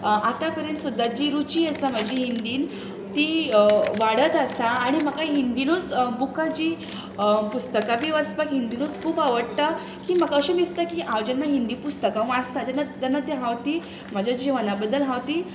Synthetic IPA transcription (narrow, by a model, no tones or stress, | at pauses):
at̪apəɾjent̪sud̪ːad͡ʑiːɾut͡ɕiːəsam̤ad͡ʑiɦind̪iːn | t̪iːʋaɽət̪əsaːɽ̃im̤əkaiɦind̪inut͡sbukad͡ʑi | pust̪əkabiːʋat͡spəkɦind̪inot͡skʰuːpaʋəɽt̪a | kiːm̤əkəɕemist̪akiʔãʋd͡ʑənːaɦind̪iːpust̪əkãʋast̪ad͡ʑanad̪anad̪jəɦãwt̪iː | m̤ad͡ʑʱjad͡ʑiʋanabəd̪ːəlɦãwt̪iː